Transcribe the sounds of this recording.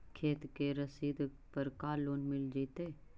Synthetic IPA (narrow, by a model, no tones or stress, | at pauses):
kʰeːt̪keɾəsiːd̪ʱ | pɐɾkaːlːoːnmɪld͡ʒiːt̪eː